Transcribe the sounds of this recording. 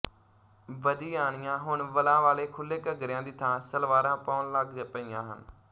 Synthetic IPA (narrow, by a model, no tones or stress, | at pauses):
ʋəd̪iːaːɳ̃ɪjãːɦʊɳʋəlãːʋaːleːkʰʊlːeːkəɡɾjãːd̪iːt̪ʰãːsəlʋaːɾãːpaːnləɡpəɪːãːɦə̰n